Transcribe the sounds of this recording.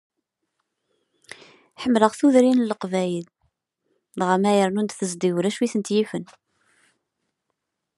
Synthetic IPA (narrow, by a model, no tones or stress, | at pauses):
ħəmːləʁθuðɾinləqvæjəl | lʁəmæjəɾnund̪θəzd̪iwɾæʃwiθənt̪jifən